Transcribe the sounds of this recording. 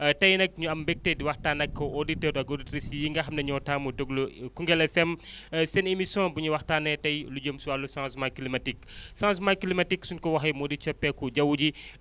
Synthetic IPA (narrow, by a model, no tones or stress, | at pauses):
ɐtɐjnɐk̚ɲuɐmbɛk̚tediwɐxtaːnɐkːɐoditəɾɐɡoditɾisjiŋɡɐɦɐmnɐɲɔtaːmudoɡlukuŋɡɛlɛfɛmsɛnemisɔ̃buɲuwɐxtaːnɛtɐjlud͡ʒomsuwalusãnsmakilimɐtiksãns̬makilimɐtiksunkɔwɐɦɐjmɔdit͡ʃɔpːɛkud͡ʒɐwuɟi